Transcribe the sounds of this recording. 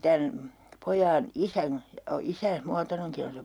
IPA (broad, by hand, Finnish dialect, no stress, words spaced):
tæn pojɑːn isæn jɑ isæːs muɑtoneŋki on se